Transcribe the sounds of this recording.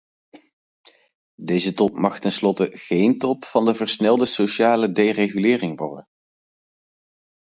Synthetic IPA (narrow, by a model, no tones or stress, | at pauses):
dejzətɔpmɑχtɛnslɔtəɣejntɔpfɑndəvəɹsnɛlˠdəsoʃaːlədejreχylɪːrɪŋʋɔ̰ɹdən